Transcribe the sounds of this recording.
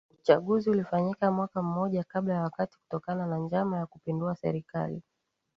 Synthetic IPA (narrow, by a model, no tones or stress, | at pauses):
uut͡ʃaɠuziulifaɲikamwakam̩mɔʄakaɓlajawakati̥ku̥tɔkananand͡ʒamajakupinduasɛ̰ɾika̰lḭ